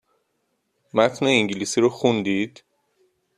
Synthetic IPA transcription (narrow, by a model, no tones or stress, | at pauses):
mæt̪ʰneiŋɟiliːsiɾoxund̪iːd̪̥